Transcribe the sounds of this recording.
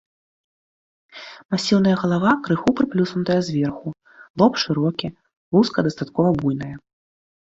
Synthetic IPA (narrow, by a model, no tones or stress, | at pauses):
masʲiwnɐjɐɣɐlˠavakɾɨxupɾɨplʲusnut̪ɐjɐzʲvʲɛrxu | lˠɔpʂɨɾɔkʲi | lˠuskɐd̪ɐst̪at̪̚kɔvɐbujn̪ɐjɐ